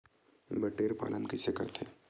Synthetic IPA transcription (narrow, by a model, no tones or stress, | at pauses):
bɐʈeːɾpa̰ːlənkɪsekɐɾt̪ʰeː